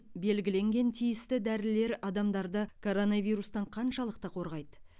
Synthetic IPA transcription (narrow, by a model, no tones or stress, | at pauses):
be̞lɡʲɪle̞ŋɡʲe̞nt̪ʰijɪst̪ɪd̪æɾɪle̞ɾɑd̪ɑmd̪ɑɾd̪əkʰo̞ɾo̞navʲijɾust̪ɑɴqʰɑnʃɑlˠəq̚t̪ɑqʰo̞ɾʁɑjd̪ə